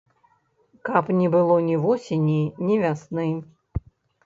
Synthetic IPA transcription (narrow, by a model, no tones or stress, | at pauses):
kapnʲɛbɨlˠɔnʲivɔsʲenʲinʲɛvʲasnɨm